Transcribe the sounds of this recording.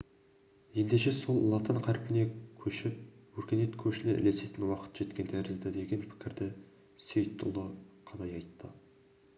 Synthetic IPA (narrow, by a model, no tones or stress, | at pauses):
je̞nd̪e̞ʃe̞so̞lˠlːˠɑt̪əɴqʰæɾpɪne̞kʲʰɵʃɪp̚wɵɾkʲe̞ne̞t̪kʲʰɵʃɪnɪʔɪ̰le̞se̞t̪ɪnwɑqə̥t̪ʒ̥e̞t̪kʲe̞nt̪ʰæɾɪzd̪ɪd̪e̞ɡʲe̞npʰɪ̥kʲɪɾd̪ɪ | se̞jt̪ʰːʊ̰lˠəqʰɑlˠɑjɑjt̪ːə